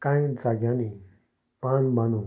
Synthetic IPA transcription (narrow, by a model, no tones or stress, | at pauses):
kãĩd͡zaɡjãni | panbanũ